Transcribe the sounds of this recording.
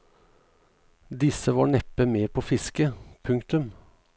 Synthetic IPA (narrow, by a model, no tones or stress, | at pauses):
d̪ɪsəʋɑːɳɛpəmeːpʰoːfɪskəpʰʉŋkt̪ʉm